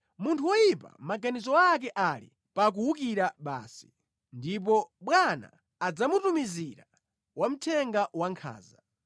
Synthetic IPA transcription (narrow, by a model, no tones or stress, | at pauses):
muntʰuwɔjipa̰maɡanizɔak̬ɛʔalḭ | pak̬uwukiɾaɓa̰ːsi̥ | ndip̬ɔɓwana̰ː | d͡zamutumiziɾa | wam̩tʰɛŋɡawaŋkʰa̰ːza